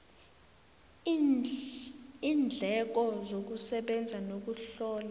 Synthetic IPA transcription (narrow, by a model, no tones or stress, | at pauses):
iːnd͡ɮʱɛk̬ɔzok̬usɛɓɛnd͡zʱanok̬uɬɔːla